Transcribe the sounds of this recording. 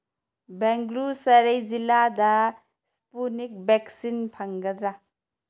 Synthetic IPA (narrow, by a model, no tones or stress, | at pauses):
bɛŋɡlusɐɾejziladɐ | spunik̚beksinpʰɐŋɡɐd̪ɾa